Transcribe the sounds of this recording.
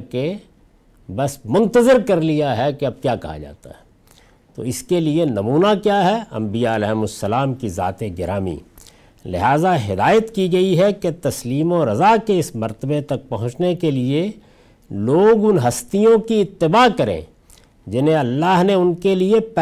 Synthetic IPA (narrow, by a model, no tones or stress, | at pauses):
ke | bɐsmʊ̃nt̪əzɪɾkɐɾlijaɦɛkeɐb̚kjaːkɐɦa̰d͡ʒa̰ːt̪a̰ɦɛ̥ | t̪o̰ːɪskelienɐmuːnakjaːɦɛɐ̰̃mbijaɐlɛːɦmʊsːɐlaːmkiza̰ːt̪eɡɪɾaːmḭː | lɪ̰ɦaːzaɦɪd̪aːjət̪kiɡɐiɦɛket̪ɐsliːmoɾɐzakeɪsmɐɾt̪əbet̪ɐk̚pɐɦʊ̃t͡ʃnekelie | loːɡʊnɦɐst̪ijõkiɪt̪ːɪbaːkɐɾḛ̃ | d͡ʒɪnẽɐlːaːɦneʊnkeliep